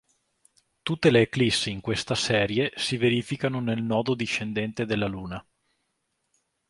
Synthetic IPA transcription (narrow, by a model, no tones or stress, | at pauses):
t̪ut̪ːeleːklisːiŋkwest̪asɛːɾjesiveɾiːfikanonelnɔːd̪od̪iʃːend̪ɛnt̪ed̪elːaluːna